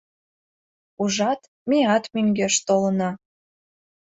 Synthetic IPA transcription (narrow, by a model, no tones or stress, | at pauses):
uʒɑt̪ | meɑt̪myŋɡeʃt̪olənɑ